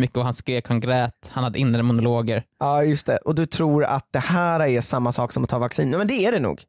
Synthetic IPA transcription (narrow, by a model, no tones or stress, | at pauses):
mʏkːəɔhanskɾeːkʰhanɡɾɛːt̪hanhad̪ːəɪnːɾəmʊnʊloːɡəɾɑːjɵst̪ʰɛʔɔd̪ɵt̪ʰɾuːɾa̰t̪̚d̪ɛhæːɾɛɾʂamːasɑːksɔmɔt̪ʰɑːvaksḭːnɛmɛnd̪ɛæɖɛnṵːɡ